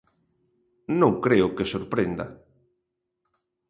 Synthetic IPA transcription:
nõŋkɾeʊkesoɾpɾend̪ɐ̰

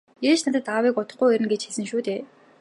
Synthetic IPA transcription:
jeːt͡ɕnat̪ə̆t̪awiːkɔt̪ɞ̆χɡujeɾɘ̆nɡet͡ɕxesɘ̆nʃuːt̪eː

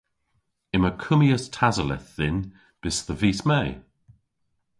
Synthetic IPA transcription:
ɪməkʰʊmiəstʰazəlɛ̰θðɪn | b̥ɪsðəviːsmɛj

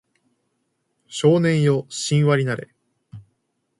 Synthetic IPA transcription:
ɕo̞ːnẽ̞ɰ̃jo̞ɕĩɰ̃βaɾʲinaɾe̞̰

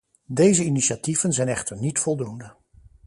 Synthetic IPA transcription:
dejzəiniʃativ̥ənzɛjnɛχtəɹnitfɔlˠdundə

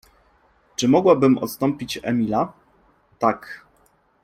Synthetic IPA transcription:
t͡ʂɘmɔɡwabɘmɔ̰t̪st̪ɔmpʲit͡ɕɛ̰mʲila | t̪ak

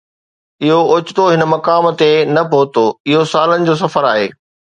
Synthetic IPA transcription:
ɪɦoʊt͡ɕɪt̪oɦɪnəmɐkaːmt̪enɐpoːt̪oɪɦosaːlənɪ̆d͡ʑoːs̬ɐfəɾa̰ːɦeː

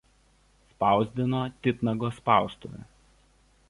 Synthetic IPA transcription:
spɑˑʊzʲd̪ʲɪnoːt̪ʲɪt̪nɐɡoːspɑˑʊst̪ṵʋʲɛ̰

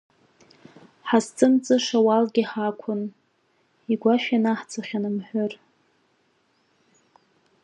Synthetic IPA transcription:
ħast͡sʼɨnt͡sʼɨʂawalɡʲiħakʷʰʊn | iɡʷaʃᶣanaħt͡sʰʼaχʲanɨmħʷʊr

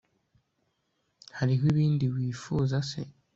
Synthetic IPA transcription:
haɾiɦwiβiːndiwiːfuːzase̞̰

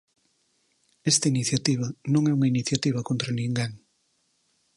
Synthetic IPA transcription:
ɛst̪ɐiniθjat̪iβ̞ɐnõŋɛuŋɐiniθjat̪iβ̞ɐkont̪ɾanĩŋɡaŋ

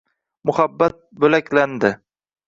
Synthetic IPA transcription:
mʊhabːat̪̚bɵlakʲland̪ɪ

